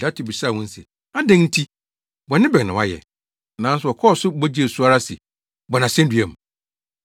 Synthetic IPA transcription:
a˨˦tʰi˨bi˨sa˦˨wʊ̃˦n̩˦sɛ̰˨ | a˦dɛ̃˦nn̩˦tʰi˦ | bɔ˨nɪ̃˦bɛ˨nɪ̃˨wa̰˦jɛ̰˨ | nã˨˦n̩˦sʊ˨ɔ˨kʰɔː˦˨sʊ˦bɔ˦d͡ʑi˦e˨su˦a˦ɾa˦sɪ̰˨ | bɔ˨nã˨sɛ̃˦n˦dɥɛ˨m˨

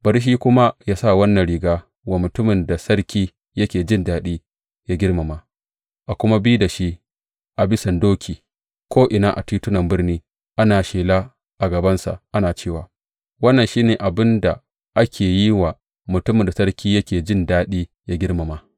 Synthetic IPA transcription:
bɐ˨ɾi˦ʃ̬iː˦kʷʊ˦ma˦jaː˦sa˦˨wɐ˦nːɐ˨nɾiː˨ɡaː˦ | waː˨mʊ˨tʊ˦mɪ˨nda˨sɐ˦rkʲiː˦ | jɐ˦kʲeː˨d͡ʒɪ˦ndaː˦ɗiː˦ | jaː˦ɡʲɪ˦rma˨ma˨ | ʔa˨kʷʊ˦ma˦biː˦da˨ʃi˦ | ʔa˨bɪ˦sɐ˨ndoː˦kʲʰiː˨ | kʷoː˦ʔɪ˨naː˦ʔa̰˨tiː˦tʊ˦nɐ˨mbɪ˦rniː˦ | ʔa˦naː˨ʃeː˨laː˦ | ʔa˨ɡɐ˨bɐ˦nsa̰˨ʔʔa˦naː˨t͡ʃeː˦˨waː˨ | wɐ˦nːɐ˨nʃiː˦neː˨ʔa˨bɪ˦nda˨ | ʔa˦kʲʰeː˨ji˦wa˨ | mʊ˨tʊ˦mɪ˨da˨sɐ˦ɾkʲiː˦jɐ˦kʲeː˨d͡ʒɪ˦ndaː˦ɗiː˦ | ja˦ɡʲɪ˦rma˨ma˨

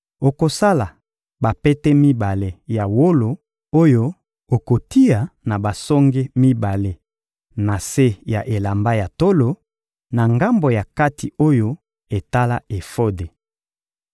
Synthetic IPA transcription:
o˨ko˨sa˦la˨ | ba˨pe˦tɛ˦mi˦ba˨le˨ja˨wo˦lo˨ | o˦jo˦ | o˨ko˨ti˦a˨na˨ba˨sɔ˦ŋɡe˦mi˦ba˨le˦ | na˨se˦ja˨ʔe˨la˨mba˦ja˨to˦lo˨ | na˨ŋɡa˦mbo˨ja˨ka˦ti˨o˦jo˦ | e˨ta˦la˦e˨fo˦de˨

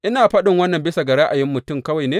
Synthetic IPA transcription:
ʔɪ˦naː˨ɸɐ˦ɗɪ˨ŋwɐ˦nːɐ˨mbɪ˦sa˨ɡɐ˨ɽa˦ʔa˨jɪ˦mːʊ˨tʊ˦mkɐ˦wa˨jneː˦

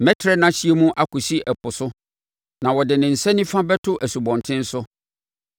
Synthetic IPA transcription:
mɛ˦tʰɾɛ˦nã˨ɕi˦e˦mũ˦ʔa˨kʊ˨si˦ʔɛ˨pʊ˨sʊ˦ | nã˨wɔ˨dɪ˨nɪ̃˨n̩˨sɛ˦nĩ˦fã˦bɛ˦tʰʊ˦ʔæ˨su˨bɔ̃˨ntʰɪ̃˦n̩˦sʊ˦

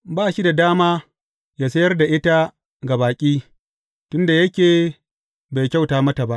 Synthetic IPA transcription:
baː˦˨ʃi˦da˨daː˦maː˦ | jaː˦sɐ˦jɐ˦rda˨ʔɪ˦ta˦ | ɡa˨baː˨kʲʼiː˦ | tʊ˦nda˨jɐ˦kʲeː˨ | ba˨jkʲa˦˨wtaː˨mɐ˦ta˨ba˦ʔ

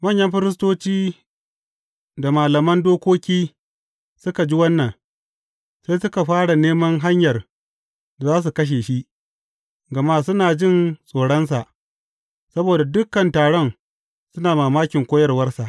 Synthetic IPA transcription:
mɐ˦˨ɲjɐ˦mɸɪ˦ɾɪ˦s̬toː˦t͡ʃiː˦ | da˨maː˨lɐ˨mɐ˦ndoː˦kʷoː˦kʲiː˦ | sʊ˦ka˨d͡ʒi˦wɐ˦nːɐ˨ŋ | sa˦jsʊ˦ka˨ɸaː˦ɽa˨neː˦mɐ˦ŋɦa˦ɲjɐ˨r | da˨zaː˦s̬u˨kɐ˦ʃ̬eː˨ʃi˦ʔ | ɡɐ˨ma˦sʊ˦naː˨d͡ʒɪ˦˨nsʼoː˨ɽɐ˦ns̬a˨ʔ | sɐ˦boː˨da˨dʊ˦kːɐ˨ntaː˨ɽɔ˦n | sʊ˦naː˨maː˨maː˦kʲɪ˨ŋkʷoː˦jɐ˦rwɐ˦rsa˨ʔ

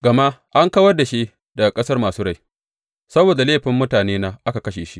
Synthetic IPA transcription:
ɡɐ˨ma˦ʔa˦ŋkɐ˦wɐ˦rda˨ʃi˦ | dɐ˨ɡa˨kʼɐ˦sɐ˦rmaː˨suː˦ɽa˦˨j | sɐ˦boː˨da˨leː˦ɸɪ˨mːʊ˦taː˨neː˦naː˦ʔa˦ka˨kɐ˦ʃeː˨ʃi˦ʔ

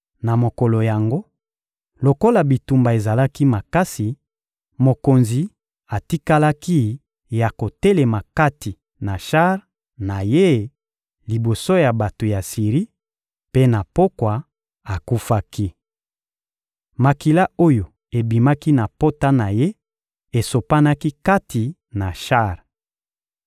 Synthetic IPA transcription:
na˨mo˨ko˨lo˨ja˨ŋɡo˦ | lo˨ko˦la˨bi˨tu˨mba˨e˨za˨la˦ki˦ma˨ka˦si˨ | mo˨ko˨nzi˨ | a˨ti˦ka˦la˦ki˦ | ja˨ko˨te˦le˨ma˨ka˦ti˨ | na˨ʃa˦ʁ | na˨je˦ | li˨bo˨so˦ja˨ba˨to˨ja˨si˨ʁi˦ | pe˦na˨po˦kwa˨ | a˨ku˦fa˦ki˦ | ma˨ki˨la˦o˦jo˨ | e˨bi˨ma˦ki˦na˨po˦ta˦na˨je˦ | e˨so˨pa˦na˦ki˦ka˦ti˨ | na˨ʃa˦˨ʁ

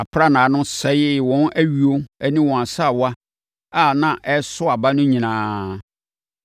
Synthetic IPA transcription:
a˨pʰɾa˦˨nã˨˦nʊ̃˦sɛ˨˦jɪ˦˨wɔ̃˨˦nʔæ˦ɥi˨o˦ɛ˦nĩ˦wɔ̃˨ã˨sa˦˨wa˦ | a˦˨nã˨ʔɛ˦sʊ˦a˨ba˦nʊ̃˦ɲĩ˨nãː˨˦

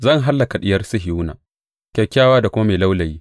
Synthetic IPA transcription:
zɐ˦˨ŋɦa˦lːa˨ka˨ɗɪ˦jɐ˦rsɪ˦ɦɪ˨uː˦na̰ː˨ | kʲa˨jkʲaː˦waː˦da˨kʷʊ˦ma˦meː˨la˦wlɐ˨jiː˦

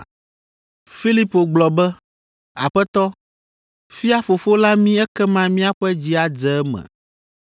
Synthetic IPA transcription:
fi˦li˦po˨ɡ͡blɔ˨bɛ˦ | a˨ɸɛ˦t̪ɔ˦ | fi˦a˦fo˨fo˦la˦mĩ˦ɛ˦kɛ˦mã˦mĩ˦a˦ɸɛ˦d͡ʑi˦a˦d͡ʒɛ˨ɛ˦mɛ̰̃˨

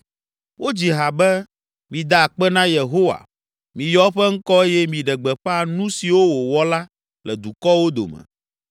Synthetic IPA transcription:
wo˦d͡ʑi˨ɦa˨bɛ˦ | mĩ˨d̪a˨k͡pɛ˦nã˦je˨ɦo˦wa̰˨ | mĩ˨jɔ˦ɸɛ˦ŋ̩˦kɔ˦e˦jɛ˦mĩ˨ɖɛ˨ɡ͡bɛ˨ɸa˦nũ˦si˨wo˦wo˨wɔ˦la˦ | lɛ˨d̪u˨kɔ˦wo˦d̪o̰˨mɛ̰˨

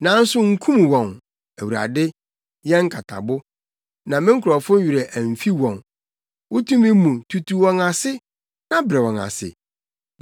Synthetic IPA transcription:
nã˨˦n̩˦sʊ˦ŋ̩˦kʰũ˦m˨wɔ̃˨n | æ˨wu˨ɾa̰˨dɪ˦ | jɛ̃˦ŋ̩˦kʰa˨tʰa̰˨bʊ˦ | nã˨mɪ̃˦ŋ̩˦kʰʊ˨ɾɔ˨fʊ̃˦ɥi˨ɾɛ˨ʔæ˨m˨fi˦wɔ̃˨n | wʊ˦tʰũ˦mɪ̃˦mũ˨tʰu˨tʰu˨wɔ̃˦nã˨sɪ˦ | nã˦bɾɛ˨wɔ̃˨na̰˨sɪ̰˨

